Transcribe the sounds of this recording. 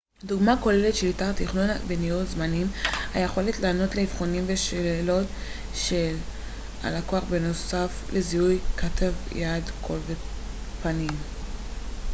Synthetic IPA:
duɡmako̞le̞letʃe̞litaʁt̪iχnonabenijutzmanimhajeχo̞letlaːno̞tleivχo̞nimveʃelelo̞t | ʃel | a̰lako̞aχbeno̞safleziujkatʰavjadkʰo̞lve | panim

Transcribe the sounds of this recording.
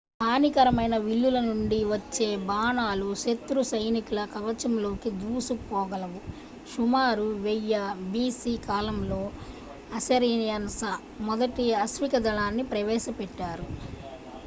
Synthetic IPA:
paːnikɐɾɐmɐjnɐʋiɭːulɐnuɳɖiʋɐt͡ʃːe̞ːbaːnaːluʃet̪ɾusɐjnikulɐkɐʋɐt͡ʃɐmlo̞ːkid̪uːsupɔːɡɐlɐʋu | ʃumaːɾuʋɛjːɐbiːsiːkaːlɐmlo̞ː | ɐsɐɾiːnjɐnsɐ | mɔd̪ɐʈiɐsʋikɐd̪ɐlaːnːipɾɐʋɛːʃɐpɛʈːaːɾu

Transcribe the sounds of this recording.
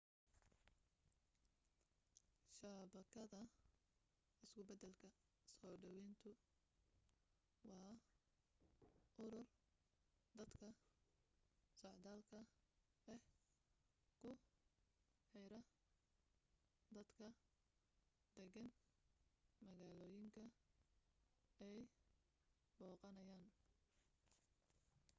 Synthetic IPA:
ʃaːbɐkʰɐðɐ | ɪskʰʊbɐd̪ɛlkʰɐ | sɔːɖɐwɛnt̪ʰʊ | wɑː | ʔʊɾʊl | d̪ɐd̪kʰɐ | sɔʕd̪aːlkʰɐɛh | kʰʊ | ħɛjɾɐ | d̪ɐd̪kʰɐ | d̪̥ɛɣɐn | mɐɣaːlɔːjɪŋkʰɐ | ɛj | bɔːqɑnɐjaːn

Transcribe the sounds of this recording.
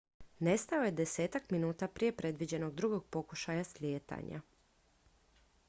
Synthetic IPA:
ne̞st̪ao̞je̞d̪e̞se̞ːt̪akminuːt̪apɾije̞pɾe̞d̪ʋid͡ʑe̞no̞ɡd̪ɾuɡo̞ɡ̚po̞kuʃajaslʲjeːt̪a̰ɲʔa̰

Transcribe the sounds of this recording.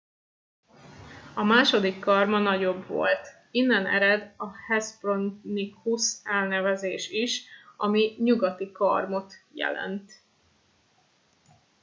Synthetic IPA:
ɒmaːʃo̞d̪ikːɒrmɒnɒɟo̞bʋo̞̰lt̪ | inːɛnɛ̰ɾɛd̪ɒhɛspronːikusɛlnɛvɛzeːʃiʃʔɒmiɲuɡɒt̪ikɒ̰rmo̞t̪jɛ̰lɛ̰nt̪

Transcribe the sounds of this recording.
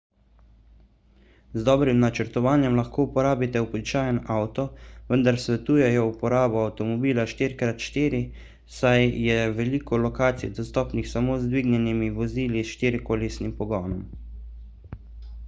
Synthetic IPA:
zd̪ɔːbɾimnat͡ʃəɾt̪ɔʋaːnjɛmlaxkoːupɔɾaːbit̪ɛubit͡ʃaːjənawt̪ɔʋənd̪aɾsʋɛt̪uːjɛjɔupɔɾaːbɔawt̪ɔmɔbiːlaʃt̪iɾkɾat̪ʃt̪iːɾi | sajjɛʋɛliːkɔlɔkaːt̪sḭjd̪ɔst̪ɔːpnixsamoːzd̪ʋiːɡnɛnimiʋɔziːlisʃt̪iɾkolisnimpɔɡɔːnɔm

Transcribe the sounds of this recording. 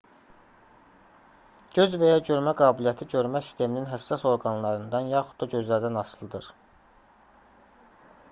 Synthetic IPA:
ɟøzvæjɑɟø̞ɾmæɡɑːbilijɑt̪ʰiɟøɾmæsi̥st̪ʰe̞mininɦæsːɑso̞ɾɡɑnlˠɑɾɯnd̪ɑnjɑxud̪̥̚d̪ɑɟø̞zlæɾd̪ænɑslˠɯd̪ɯɾ

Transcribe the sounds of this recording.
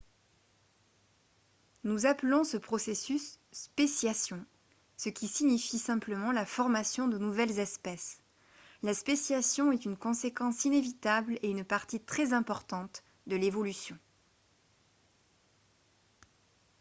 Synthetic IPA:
nuzaplɔ̃səpχɔsesys | pesjasjɔ̃ | səkʲisiɲifisɛ̃pləmɑ̃lafɔʁmasjɔ̃d̪ənuvɛlzɛspɛs | laspesjasjɔ̃ɛt̪ynkɔ̃sekɑ̃sinevit̪ableynpaʁt̪it̪χɛzɛ̃pɔʁt̪ɑ̃t̪ | d̪əlevɔlysjɔ̃

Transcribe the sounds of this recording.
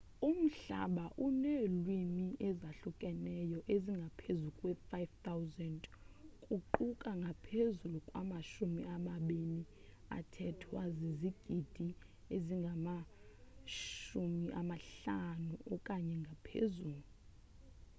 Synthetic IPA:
um̩ɬa̰ɓaʔunelwimiʔɛzaɬukʼɛnɛjɔʔeziŋɡʱapʰezukʼwɛfajft̪ʰawzɛndkʼuǃukʼaŋɡʱapʰezulukʼwa̰maʃumiamaɓeni | a̰tʰɛtʰwaziziɡ̥ʱid̥ʱi | eziŋɡʱama | ʃumiʔamaɬanuʔɔkʼaɲɛŋɡʱapʰḛzuːlu

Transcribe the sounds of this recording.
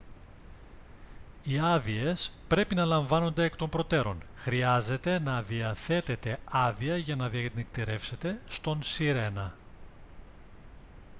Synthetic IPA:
iɐðie̞spɾe̞pinɐlɐɱvɐno̞nd̪eːkt̪o̞mbɾo̞t̪e̞ɾo̞̰nxɾiɐze̞t̪e̞nɐðiɐθe̞t̪e̞t̪e̞ɐðiɐʝɐnɐðiɐnikt̪iɾe̞fse̞t̪e̞st̪o̞nsiɾe̞nɐ

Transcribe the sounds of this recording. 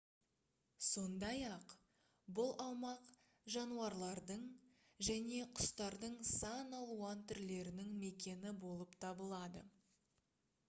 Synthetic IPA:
so̞nd̪ɑjɑq | bʊlˠɑwmɑq | ʒɑnuɑɾlˠɑɾd̪əɴ | ʒæne̞qʰʊ̥st̪ɑɾd̪əɴsɑnɑlˠuɑnt̪ʰʏɾle̞ɾɪnɪŋme̞kʲe̞nɪbo̞lˠəpt̪ʰɑbəlˠɑd̪ə̰

